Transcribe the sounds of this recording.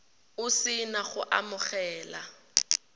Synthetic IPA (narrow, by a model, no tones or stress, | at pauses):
ʊsɪnaχʊʔa̰mʊχɛːla̰